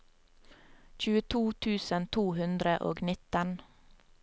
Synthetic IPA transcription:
c͡çʉːət̪ʰuːt̪ʰʉːsənt̪ʰuːhʉnd̪ɾəʔo̰ːɡnɪt̪ən

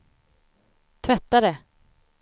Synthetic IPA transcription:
t̪ʰvɛt̪ːaɾɛ

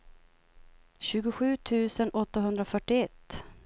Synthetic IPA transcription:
ɕʉ̟ːɡʊɧʉ̟ːt̪ʰʉ̟ːsənʔɔt̪ːaɦɵnd̪ɾafœʈːɪɛt̪ː

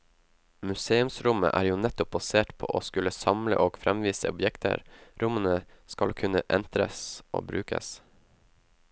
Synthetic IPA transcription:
mʉseːʉmsɾʊmə̰ʔæːɾjuːnɛt̪ʊp̚bɑseːʈpʰo̰ːʔoːskʉlːəsɑmlə̰ʔoːɡfɾɛmʋiːsəɔbjɛkt̪ʰə̰ɾɾʊmənə | skɑlkʰʉnəʔɛnt̪ɾəsʔo̰ːbɾʉːkə̰s

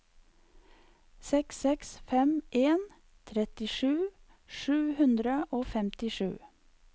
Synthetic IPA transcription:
sɛksɛksfɛmʔeːn | t̪ʰɾɛt̪ɪʃʉː | ʃʉːhʉnd̪ɾəʔoːfɛmt̪ɪʃʉ̰ː

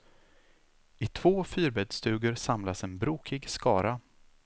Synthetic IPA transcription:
ɪt̪ʰv̥oːfyːɾbɛd̪st̪ʉ̟ːɡəɾsamlasɛnbɾuːkʰɪɡskɑːɾa

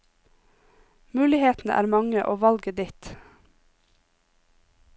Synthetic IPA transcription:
mʉːlɪheːt̪n̩əʔæ̰ːɾmɑŋəʔoːʋɑlɡəd̪ɪt̪

